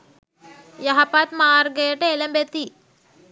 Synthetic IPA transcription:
jɐɦɐpat̪maːɾɡeʈelɐmbet̪i

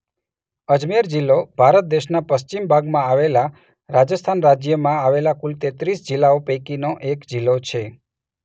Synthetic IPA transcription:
əd͡ʒmeɾd͡ʒilːobʱaɾət̪̚d̪eʃnapəst͡ʃimbʱaɡmãaʋela | ɾad͡ʒəst̪ʰanɾad͡ʒjəmãaʋelakult̪et̪ɾisd͡ʒilːaopekinoʔekd͡ʒilːot͡ʃʰe

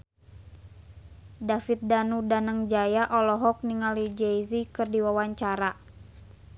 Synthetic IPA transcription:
dafit̪̚danudanəŋd͡ʒajaʔɔlɔɦɔk̚niŋalid͡ʒejzikɨrdiwawaɲt͡ʃaɾa

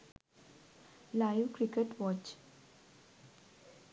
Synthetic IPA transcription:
laɪʋkɾɪkeʈʋɔt͡ʃ

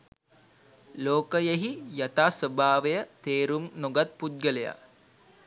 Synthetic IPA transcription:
loːkəjeɦijat̪aːsʋəbʱaːʋejət̪eːɾumnoɡat̪̚put̪̚ɡəleja̰

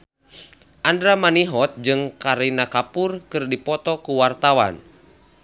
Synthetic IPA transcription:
ʔandɾamaniɦɔt̪̚d͡ʒɨŋkaɾinakapurkɨrdipɔt̪ɔkuwart̪awa̰n

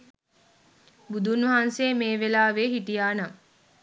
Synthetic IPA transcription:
bud̪ʱunʋɐɦanseːmeːʋelaːʋeːɦiʈijaːna

